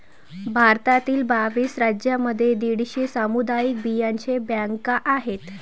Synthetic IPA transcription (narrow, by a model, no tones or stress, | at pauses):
bʱaɾt̪at̪iːlbaʋiːsɾad͡ʑjaməd̪ʱːjed̪iɽiɕiːsamud̪ajik̚bijaɲt͡ɕebjaŋkaʔaɦet̪